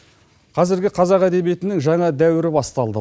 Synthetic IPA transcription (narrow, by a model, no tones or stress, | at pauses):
qʰɑzɪɾɡʲɪqʰɑzɑqæd̪e̞bije̞t̪ɪnɪŋʒɑɴɑd̪æwɪɾɪbɑst̪ɑlˠd̪ə